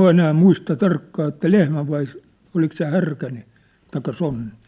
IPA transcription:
enæː muistɑ tɑrkːɑː etːæ lehmæ ʋɑi olik se hærkæ niː tɑikːɑ sonːi

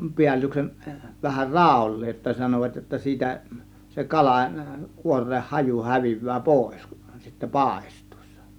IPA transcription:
piælːyksen ʋæhær rɑˑulːeːj jotːɑ sɑnoʋɑt jotːɑ siːtæ se kɑlɑˑ kuorˑeːh hɑju hæʋiʋˑæː poˑe̝s ku̥n̥ sitːæ pɑˑe̞stˑu̥i̥sːɑ̥

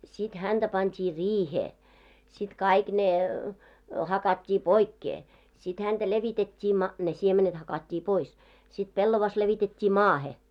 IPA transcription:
sit hænd̥æ pɑntʲiː riːheː sit kɑik ne hɑkɑtʲːiː poikːeː sit hænd̥æ leʋitetʲːiː mɑ ne siemenet hɑkɑtʲːiː pois sit pelːoʋɑs leʋitetʲːiː mɑːhe

